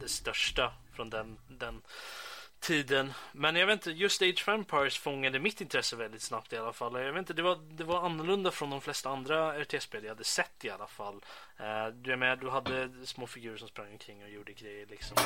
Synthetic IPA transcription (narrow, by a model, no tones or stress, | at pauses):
d̪̥ɛst̪œʂʈafɾɔnd̪ɛnd̪ɛn | t̪ʰiːd̪ənmɛnjɑaveːt̪nt̪əjɵst̪ɛɪdʂfɛmpʰɑjsfɔŋːad̪əmɪt̪ːɪnt̪ʰɾɛsːəvɛld̪ɪt̪snapt̪ɪalːafalːɔjaveːt̪t̪əd̪ɛvad̪ɛvaɾanːʊɭɵnd̪afɾɔnd̪ɔmflɛst̪aand̪ɾaæʈʰeɛspʰeːlvɪhad̪ːəsɛt̪ːɪalːafalː | d̪ɵajmeːnad̪ɵɦad̪ːəsmoːfɪɡjʉ̟ːɾəʂɔmspɾaŋːɔmkʰɾɪŋːɔjuːɖəɡɾɛjːəɭɪksɔm